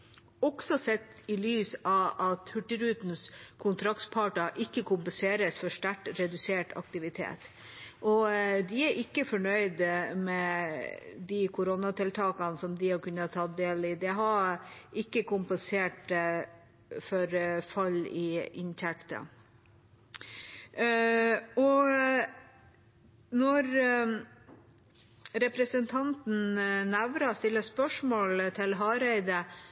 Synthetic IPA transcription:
ɔɡsɔsɛt̪ːɪlyːsɑʋɑt̪hʉʈːɪɾʉːt̪n̩skʰʊnt̪ʰɾɑkt̪pʰɑːʈɑʔɪkːəkʰʊmpənseːɾəsfɔʂʈ̪æʈːɾɛd̪ʉseːʈʰɑ̰k̚t̪ɪʋɪt̪ʰḛːt̪ | ʔɔd̪ɪæɾʔɪkːəfɔɳœʏd̪mɛ | d̪ikʰʊɾɔnɑt̪ʰɪlt̪ʰɑːkɑnsɔmd̪ɪhɑkʉnːɑt̪ʰːɑt̪̚d̪eːlɪd̪ɛɦɑɾʔɪkːəkʰʊmpənseːʈ | fɔɾfɑlːɪɪnt̪ʰɛkt̪ə̰ | ɔ | nɔɾ | ɾɛpɾəsənt̪ʰɑnt̪n̩næʋɾɑst̪ɪlːəspœʂmoːlt̪ʰɪlɦɑːɾɛɪd̪ə

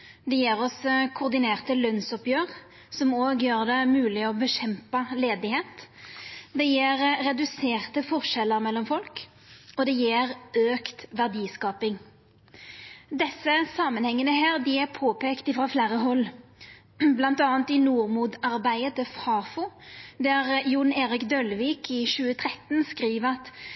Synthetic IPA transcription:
d̪ɛjeːʁɔskʰʊʁd̪ɪneːʁt̪əlœnsɔpjøːʁ | sɔmoːɡjøːʁd̪ɛmʉːlɪɔbəʃɛmpɑleːd̪ɪheːt̪ | d̪ɛjeːɾʁɛd̪ʉseːʁt̪əfɔʁʃɛləʁmɛlːɔmfɔlk | ɔd̪ɛjeːʁøːkt̪ʋæʁd̪iːskɑːpɪŋ | d̪ɛsːəsɑːmənhɛŋːənəɦæːʁd̪ɪæʁpʰoːpʰeːkt̪ɪfʁɑfleːɾəɦɔlː | blɑnt̪ɑːənt̪ɪnuːʁmuːd̪ɑʁbæɪət̪əfhɑːfʊd̪ɛʁjʊneːʁɪkd̪œlʋiːkʰɪʃʉːət̪ʰʁɛt̪ːnskʁiːʋəɑt̪

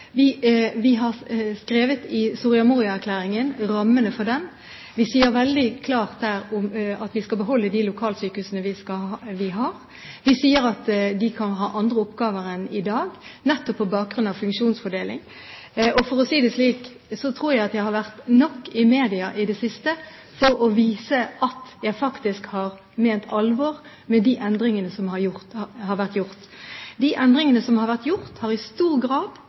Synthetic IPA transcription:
ʋɪʋɪɦɑʁskɾeːʋət̪ɪsʊʁɪɑmuːʁɪɑæɾkʰlæːɾɪŋənɾɑmːənəfɔd̪ɛn | ʋɪsiːəɾʋɛld̪ɪkʰlɑːʁt̪̚d̪æːɾʊmɑt̪ʋɪskɑbəɦɔlːəd̪iːlʊkʰɑːlsyːkəʉsənəʋɪskɑʋɪɦɑːɾ | ʋɪsiːəɾɑt̪d̪ɪkʰɑnɦɑːʔɑnd̪ʁəɔpɡɑːʋəɾɛnɪd̪ɑːɡnɛt̪ːɔpʰːɔbɑːk̚ɡɾʉnɑʋfʉŋkʃuːnsfɔɖ̪eːlɪ̰ŋ | ʔɔfɔʁɔsiːd̪ɛsliːk | sɔt̪ʰɾuːɾjæɪɑt̪jæɪhɑɾʋæʁt̪nɔkːɪmeːd̪ɪɑʔɪd̪ɛsɪst̪ə | fɔɾɔʋiːsəʔɑt̪jæɪfɑkt̪ɪskhɑʁ | meːnt̪ʰɑlʋɔːʁ | mɛd̪iʔɛnd̪ɾɪŋənəsɔmhɑɾjʊʁt̪hɑɾʋæʁt̪jʊʁt̪ | d̪iʔɛnd̪ɾɪŋənəsɔmhɑɾʋæʁt̪jʊɾt̪hɑɾɪst̪uːɾɡɾɑːd̪̥

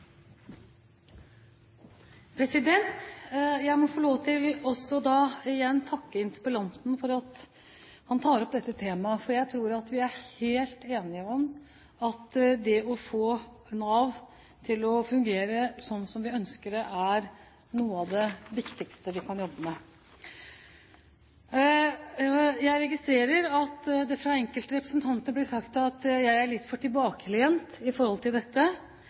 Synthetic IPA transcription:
pʰɾɛsɪd̪ɛnt̪jæɪmɔfɔloːt̪ʰɪlɔsːɔd̪ɑːɪjɛnːt̪ʰɑkːəɪnt̪əpəlɑnt̪n̩fɔɾɑt̪ | hɑnt̪ʰɑːəɾɔp̚d̪ɛt̪ːət̪ʰeːmɑfɔɾjæɪt̪ʰɾuːɾɑt̪ʋɪæɾheːlt̪eːnɪəɔm | ɑt̪d̪ɛɔfoː | nɑːʋ | t̪ʰɪlɔfʉŋɡeːɾəsɔnːsɔmʋɪœnskəɖɛʔæɾ | nuːəɑd̪ɛʋɪkt̪ɪkst̪əʋɪkʰɑnjɔbːəmɛ | jæɪɾɛɡɪst̪ɾeːɾəɾɑt̪ːd̪ɛfɾɑɛŋkəlt̪əɾɛpɾə̥snt̪ʰɑnt̪əəblɪsɑkt̪ɑt̪jæɪæɭɪt̪ːfɔʈʰɪlbɑːkəlɪɛnt̪ɪfɔɾhɔlt̪ɪld̪ɛt̪ːə

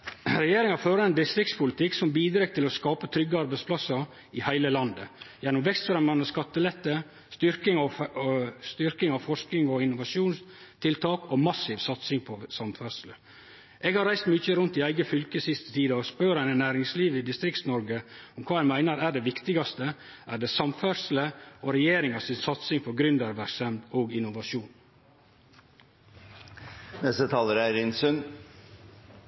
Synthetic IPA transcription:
ɾɛjeːɾɪŋɑɾføːɾɑɛnd̪ɪst̪ɾɪkt̪spʰʊlɪt̪ʰɪksɔmbiːd̪ɾeːk̚t̪ʰɪlɔskɑːpət̪ʰɾʏɡːəɑɾbæɪspʰlɑsːɑɾ | ɪhæɪləlɑnd̪əjɛnːʊmʋɛkst̪fɾɛmɑnɔskɑt̪ːəlɛt̪ːə | st̪ʏɾkɪŋɔ | st̪ʏɾkɪŋɑʋfɔʂknɪŋɔɪnʊʋɑʂuːnst̪ʰɪlt̪ʰɑːkɔmɑsːiːʋsɑt̪sɪŋpʰɔsɑmt̪fœslə | ʔeːɡhɑɾæɪst̪myːçəɾʉnt̪d̪ɪæɪɡəfʏlkəsɪst̪ə̥t̪ʰiːd̪əɔspøːɾænənæːɾɪŋsliːʋəɪd̪ɪst̪ɾɪkt̪nɔɾɡəʊmkʰɑːæɪmæɪnəɾæːɖɛʋɪkt̪ɪɡɑst̪ə | ʔæːɖɛsɑmfœɾʂl̩əoɾɛjeːɾɪŋɑsɪnsɑt̪sɪŋpʰɔɡɾʏnd̪əɾʋæsɛmt̪oːɡɪnʊʋɑʃuːn | nɛst̪ət̪ʰɑːləɾæɪɾɪnsʉn

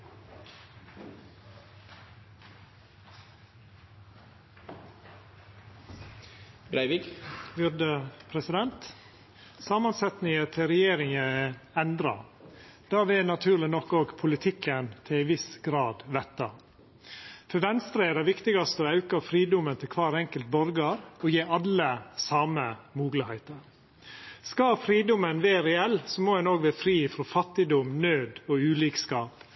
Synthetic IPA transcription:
ɡɾæɪʋɪɡbʏɾd̪əpʰɾɛsɪd̪ɛnt̪ | sɑːmɑnsɛt̪nɪŋət̪ʰɪlɾɛjeːɾɪŋəɛnd̪ɾɑ̰ | d̪̥ɑːʋɪnɑt̪ʰʉːɾɭɪnɔkːoːɡpʰʊlɪt̪ʰɪkːənt̪ʰɪlɪʋɪsɡɾɑːd̪ʋɛt̪ːɑ | fɔɾʋɛnst̪ɾəɛd̪ɛʋɪkt̪ɪɡɑst̪əɔɑʉkɑfɾiːd̪ʊmənt̪ʰɪlkʰʋɑːɾɛŋkəlt̪̚bɔɾɡɑɾɔjeːɑləsɑːməmuːɡləhæɪt̪əɾ | skɑfɾiːd̪ʊmənʋɛɾɛɛlːsɔmoːænoːɡʋæːɾfɾiːfɾɔfɑt̪ːɪd̪ʊmnøːd̪ɔʉːliːkskɑːp

